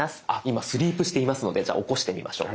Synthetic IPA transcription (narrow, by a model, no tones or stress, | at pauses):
asɨ̥aimasɨɾʲiːpɯ̟ɕi̥t̪e̞imasɨno̞d̪e̞d͡ʑa̰ːʔo̞ko̞ɕi̥t̪e̞mʲḭmʔa̰ɕo̞̰ː